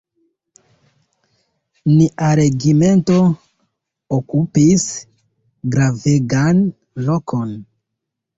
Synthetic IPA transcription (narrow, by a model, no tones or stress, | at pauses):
niʔaɾe̞ɡime̞nto̞ | okupis | ɡɾaveɡan | lo̞kʰo̞n